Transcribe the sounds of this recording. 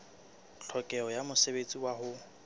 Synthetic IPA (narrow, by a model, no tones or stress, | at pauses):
ɬʰɔkʼɛɔjamʊsebet͡sʼiwaɦʊ